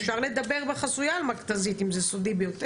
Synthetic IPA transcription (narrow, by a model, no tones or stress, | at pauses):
fʃaʁle̞d̪abe̞ʁbeχasujaːlmakt̪azit̪imzesod̪ibejot̪e